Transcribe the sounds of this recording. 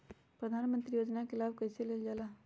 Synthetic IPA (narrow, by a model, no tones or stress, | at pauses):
pɾəd̪ʱaːnmənt̪ɾijoːd͡ʒnakɪlaːbkəɪseleld͡ʒaːlaː